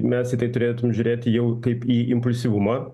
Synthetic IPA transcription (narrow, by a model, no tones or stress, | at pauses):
mʲɛstʲit̪ɐɪt̪ʊɾʲeːt̪ʊmʲmʒʲʊːɾʲeːt̪ʲɪjɛʊkɐɪpiːʔɪmpʊlʲsʲiʋʊmɐ